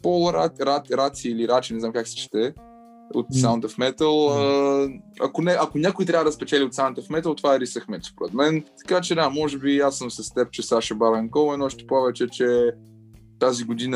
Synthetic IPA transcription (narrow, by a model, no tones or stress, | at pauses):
polˠɾaɾat̪ɾat̪siːliɾat͡ʃinɛzamkaksɛ̥t͡ʃɛ̥t̪ɛ | o̰t̪saʊnt̪əfmɛt̪əlˠə | ɐ̰konɛʔɐkonʲakʊit̪ɾʲavəd̪ɐspɛt͡ʃɛlʲiot̪saʊ̃nt̪əfmɛt̪əlˠt̪ovaɛɾisəxmɛspoɾɛt̪mɛnt̪ɐ̥kat͡ʃɛd̪amɔʒɛbijasosəst̪ɛp̚t͡ʃɛsaʃəbaɾɛŋkɔvɛnɔʃt̪ɛ̥povɛt͡ʃɛt͡ʃɛ | t̪aziɡʊd̪inə